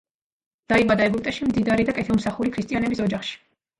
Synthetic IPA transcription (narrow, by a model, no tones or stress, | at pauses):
d̪̥aibad̪aɛɡup̚ʼt̪ʼɛʃimd̪id̪aɾid̪akʼɛt̪ʰɛlˠmsaχuɾikʰɾist̪ʼianɛbisɔd͡ʒaχʃi̥